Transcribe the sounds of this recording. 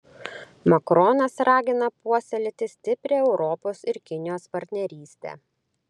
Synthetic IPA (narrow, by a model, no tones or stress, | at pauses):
mɐkɾɔnɐsɾɑːɡʲɪnɐpuɔsʲɛlʲɪt̪ʲɪsʲt̪ʲɪpʲɾʲeːɛʊɾɔpoːsɪɾkʲɪnʲɪjoːspɐɾʲt̪ʲnʲɛɾʲiːsʲt̪ʲḛː